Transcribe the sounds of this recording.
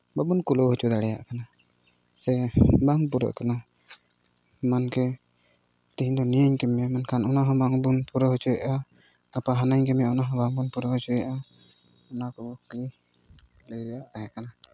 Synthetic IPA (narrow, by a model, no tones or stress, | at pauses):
babunkulɔɦɔt͡ʃud̪aɽɛja̰ʔkana | sɛbaŋp̬uɾə̰ʔkana | mankɛ | t̪iɦiɲd̪ɔnijaɲkɛmːɛmankʰanɔnaɦɔ̃baŋbunpuɾɔɦɔt͡ʃuɛʔa | apaɦanaɲkɛmɛɔnaɦɔ̃baŋbunpuɾɔɦɔt͡ʃuɛʔa | ɔnakɔki | ləjɾɛjaʔaɦɛkana